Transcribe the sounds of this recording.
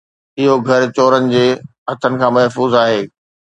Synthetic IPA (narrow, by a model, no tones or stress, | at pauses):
ɪɦoɡʱɐɾt͡ɕoːɾənɪ̆d͡ʑeːɦɐt̪ʰənɪ̆kʰãːmɐɦfuːzaːɦeː